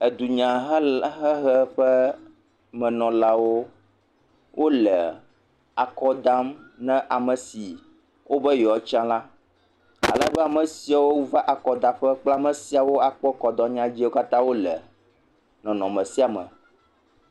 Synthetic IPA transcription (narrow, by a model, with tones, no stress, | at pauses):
ɛ˨d̪u˨ɲã˨ɦɦɛ˦ɦɛ˦ɸɛ˦ | mɛ̃˨nɔ̃˨la˦wo˦ | wʔo˦lɛ˨ | a˨kɔ˦d̪a˦mnɛ̃˦ʔa˨mə˨si˨ | wʔo˦bɛ˦jɔ˨ɔ˨˦t͡ʃã˦la˦ | a̰˨lə̰˨˦bɛ˦a˨mə̃˨si˨a˨wo˦va˦ʔa˨kɔ˨d̪a˨ɸɛ˦k͡pla˦mɛ̃˨si˦a˨wo˦a˨k͡pɔ˦kɔ˨d̪ɔ˦ɲã˦d͡ʑi˦o˦ka˦t̪ã˦wo˦lɛ̰˨ | nɔ̃˨nɔ̃˨mɛ̃˨si˦a˨mə̰̃˨